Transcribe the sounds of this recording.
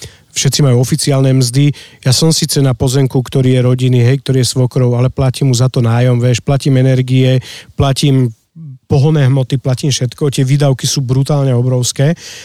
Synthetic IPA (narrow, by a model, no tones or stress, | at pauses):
fʃɛt̪t͡simajuɔfit͡siaːlnɛmzd̪ijasɔmsiːt͡sɛnapɔzɛŋkukt̪ɔɾiːjɛɾɔɟiniɦɛjk̚t̪ɔɾiːjɛsʋɔkɾɔʊalɛplaciːmɦuzat̪ɔnaːjɔmʋɛʃplaciːmɛnɛɾɡiɛplaciːm | pɔɦɔnɛːɦmɔt̪iplaciːmfʃɛt̪kɔt̪ɪɛʋiːd̪aʊkisuːbɾut̪aːlɲɛɔbɾɔʊskɛː